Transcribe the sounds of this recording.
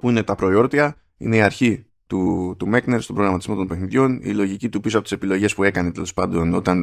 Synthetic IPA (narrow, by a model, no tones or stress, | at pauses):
puine̞t̪ɐpɾo̞io̞ɾt̪iɐ | ḭne̞iɐɾçi | t̪ut̪umekne̞ɾst̪o̞bɾo̞ɣɾɐmɐt̪izmo̞t̪o̞npe̞xniðʝo̞nḭlo̞ʝicit̪upisoɐpo̞t̪ise̞pilo̞ʝe̞spue̞kɐnet̪e̞lo̞spɐnd̪o̞no̞t̪ɐn